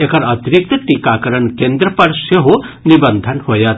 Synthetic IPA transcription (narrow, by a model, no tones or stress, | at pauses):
ekʰaɾɐt̪iɾik̚t̪əʈikakəɾəɳkend̪ɾɔpaɾseɦonibɐnd̪ʱanhojat̪